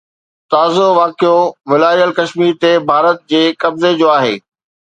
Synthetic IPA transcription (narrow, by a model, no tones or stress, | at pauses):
t̪aːzoʋaːkijoʋɪlaːijəlkɐʃmiːɾt̪ebʱaːɾət̪̚d͡ʑeːkɐbzed͡ʑoːaːɦḛː